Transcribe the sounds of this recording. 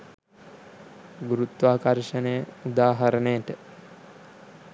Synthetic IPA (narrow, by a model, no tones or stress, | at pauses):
ɡuɾut̪ʋaːkaɾʃənejəud̪aːɦaɾənejəʈə